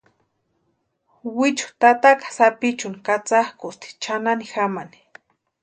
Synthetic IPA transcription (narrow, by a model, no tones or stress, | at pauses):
wit͡ʃʊ̥t̪at̪akḁsapit͡ʃʊnikat͡sahkʊst̪i̥t͡ʃananixamani̥